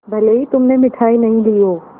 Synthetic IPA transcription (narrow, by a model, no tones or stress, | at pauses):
bʱɐleit̪ʊmnemɪʈʰaːinɐɦĩlioː